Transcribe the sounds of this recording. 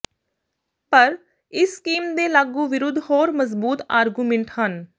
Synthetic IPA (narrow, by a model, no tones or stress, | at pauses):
pəɾ | ɪsːkiːmd̪eːlaːɡũːʋɪɾʊd̪ʱːhoːɾməzbuːt̪aːɾɡuːmẽɳʈhən